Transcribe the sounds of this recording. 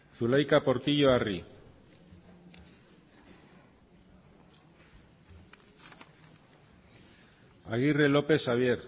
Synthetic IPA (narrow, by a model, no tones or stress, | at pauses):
θulajkapo̞ɾt̪iʎo̞ari | aɣire̞lo̞pe̞saβ̞je̞ɾ